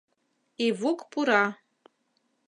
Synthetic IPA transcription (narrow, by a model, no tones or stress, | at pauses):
ivukʼpʰʼuɾa